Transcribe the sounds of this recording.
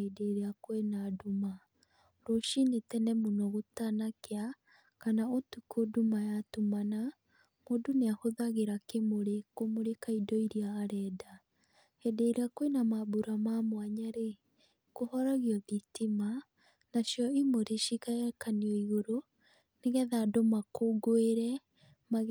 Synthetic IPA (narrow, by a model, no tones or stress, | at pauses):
edeɾeakwenaduma | ɾoʃinetɛnɛmonɔɣotanakea | kanaotukodumajatumana | moduneahoðaɣeɾakemoɾekomoɾekaidɔiɾiaːɾɛːda | hɛdeiɾakwenamabuɾamamwaɲaɾe | kohɔɾaɣiɔðitima | naʃjɔimoɾeʃikaɛkaniɔiɣoɾo | neɣɛðadomakoɡoeɾɛ | ma